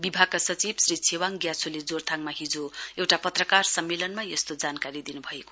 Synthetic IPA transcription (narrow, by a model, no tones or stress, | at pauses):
bibʱaɡ̚kːasʌt͡sibsrit͡sʰewaŋɡjat͡sʰuled͡zort̪ʰaŋmaɦid͡zoewʈapʌt̪rʌkarsʌmːelʌnmajʌst̪od͡zankaɾid̪inubʱʌeko̥